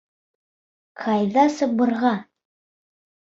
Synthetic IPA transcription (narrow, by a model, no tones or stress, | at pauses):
qʰɑjðɑsɤbɤ̆ɾʁɑ